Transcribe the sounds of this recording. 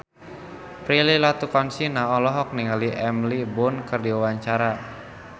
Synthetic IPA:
pɾililat̪ukɔnsinaɔlɔɦɔk̚niŋaliʔɛmlibʊnkɨrdiwawaɲt͡ʃaɾa

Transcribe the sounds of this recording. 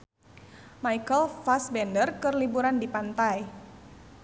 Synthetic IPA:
majkəlfasbɛndərkɨrlibuɾandipant̪aj

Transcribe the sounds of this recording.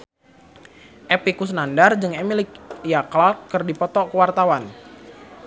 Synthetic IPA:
ʔɛpikus̬nandard͡ʒɨŋɛmilɪk̚ijaklakːərdipɔt̪ɔkəwart̪awan

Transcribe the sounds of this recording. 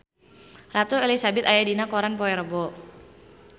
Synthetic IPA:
rat̪uelisabɪt̪ajadinakɔɾanpɔɛɾəbɔ

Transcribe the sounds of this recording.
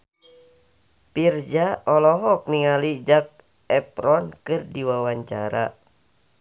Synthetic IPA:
pird͡ʒaɔlɔɦɔk̚niŋalid͡ʒak̚ | ɛpɾɔnkɨrdiwawaɲt͡ʃa̰ɾa̰

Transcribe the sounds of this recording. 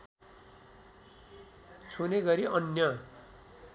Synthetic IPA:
t͡sʰoneɡʌɾiʌnjʌ

